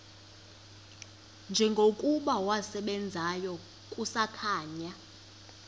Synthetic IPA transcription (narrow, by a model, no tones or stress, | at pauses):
nd͡ʒʱɛŋɡʱokʼuɓawasɛɓɛnd͡zʱajɔ | kʼusakʰaːɲa